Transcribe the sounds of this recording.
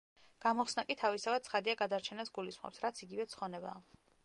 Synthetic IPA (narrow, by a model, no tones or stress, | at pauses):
ɡ̥amɔχsnakʼit̪ʰavist̪ʰavat̪̚sʰχad̪iaɡad̪aɾt͡ʃʰɛnasɡulisχɔ̰psɾat̪sʰiɡivɛt̪sʰχɔnɛba̰ː